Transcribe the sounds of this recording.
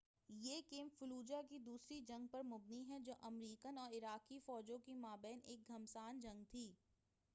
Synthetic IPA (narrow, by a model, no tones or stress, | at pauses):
jeːkeːmfʊluːd͡ʒak̬id̪uːsɾid͡ʒɐ̃ŋɡ̚pɐɾmʊbniɦɛd͡ʒoːʔɐmɾiːkənɔːɾɪɾaːkifɔːd͡ʒõkimaːbɛːneːk̚ɡʱɐmsaːnd͡ʒɐ̃ŋɡ̚t̪ʰiː